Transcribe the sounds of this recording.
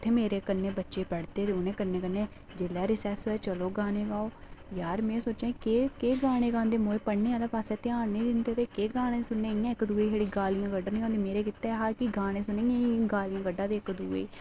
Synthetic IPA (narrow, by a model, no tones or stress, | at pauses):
ʊt̪ʰːeːmeːɾeːkənːeːbətːʃeːpəɽt̪eːt̪eːʊnẽːkənːẽːkənːeː | d͡ʒeːlɛːɾɪsɛːsɦoːɛːt͡ʃəloːɡaːñeːɡaːoːjaːɾmɛ̃ːsoːt͡ʃẽːkeːkeːɡaːɽ̃ẽːɡãːnd̪eːmoːeːpəɽnẽːalaːpaːsɛːt̪eaːnẽːd̪ɪnd̪eːt̪eːkeːɡaːɽ̃ẽːsʊnːẽːijãːɪkd̪uːeːɦeːɽiːɡaːlijãːɡəɖənĩːõːnd̪iːmeːɾeːkɪt̪ːeːɦaːkiɡaːɽ̃ẽːsʊnẽːãɡaːlijãːɡəɖːãːd̪eːkd̪uːḛː